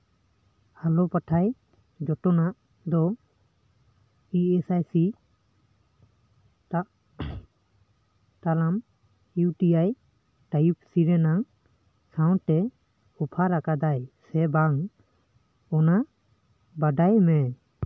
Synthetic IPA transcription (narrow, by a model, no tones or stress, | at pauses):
alɔpaʈʰaj | d͡ʒɔʈɔnaʔ | d̪ɔ | iɛsajsi | t̪alam | juʈiaj | ʈajup̚ʰsiɾɛnaŋ | sawnʈɛ | ɔpʰaɾakad̪ajsɛbaŋ | ɔnaʔ | baɖajmɛ